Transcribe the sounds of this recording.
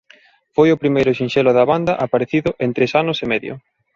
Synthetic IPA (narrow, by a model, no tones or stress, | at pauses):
fojʊpɾimejɾʊʃinʃelʊðɐβand̪ɐʔapaɾeθiðʊʔent̪ɾesanʊsemɛðjʊ̰